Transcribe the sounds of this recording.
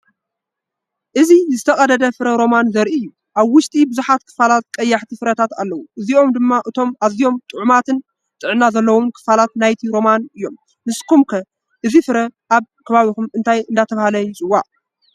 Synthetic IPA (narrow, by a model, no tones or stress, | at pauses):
ʔɨzizɨt̪ʰɐkʼɐd̪ɐd̪ɐfɨɾɐɾo̞manzɐɾiɨjːu | ʔaβwʊʃt̪ʼibɨzuħat̪kʰɨ̥falat̪̚kʼɐjːaħt̪ʰifɨɾɐt̪ʰat̪a̰lːɐwuʔɨzio̞md̪ɨmːaʔɨt̪ʰo̞mʔazijo̞mt̪ʼɨʕumat̪ʰɨn | t̪ʼɨʕnazɐlːɐwunkʰɨ̥falat̪̚najt̪ʰiɾo̞manɨjːo̞mː | ɨskʰumkʰɐ | ʔɨzifɨɾɐʔaβkʰɐβaβikumɨnt̪ʰajɨnd̪at̪ʰɐβahalɐjt͡sʼɨwːaʕ